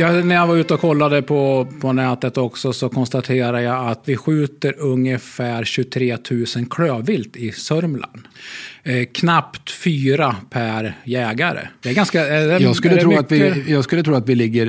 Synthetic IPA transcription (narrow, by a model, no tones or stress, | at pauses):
jɑːnæɾjavaɾʉ̟ːt̪əɔkʰɔlːad̪əpʰɔpʰɔnɛːt̪ət̪ɔksɔsɔkʰɔnst̪at̪ʰeːɾajaat̪vɪɧʉ̟ːt̪əɾɵŋjəfæːɾɕɵt̪ʰɾeːt̪ʰʉ̟ːsənkʰɽøːvɪlt̪ɪsœɾmlʔa̰n | kʰnapt̪fyːɾapʰæɾjɛːɡaɾə̰d̪̥ɛæɾɡanskaɛɛjɑːɡskɵlːtɛɾuːat̪ɪjɑːɡskɵlːət̪ʰɾuːat̪vɪlɪɡːəɾ